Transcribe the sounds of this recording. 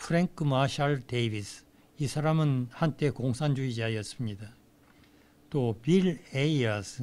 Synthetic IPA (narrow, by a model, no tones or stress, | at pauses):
pʰuɾeŋkʰɯmaɕʰaɭdebis | isʰaɾamɯnhant͈e̞koŋsʰand͡ʑuid͡ʑiajʌs͈ɯmɲida | t͈opileiʌs